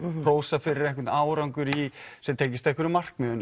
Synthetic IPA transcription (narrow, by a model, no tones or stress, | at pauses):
roːwsafɪɾɪɾɛhkvɪt̪aːwɾawŋkʏɾisɛt̪ʰeːjcɪst̪aɛhkvɛɾʏmar̥kmʏʏn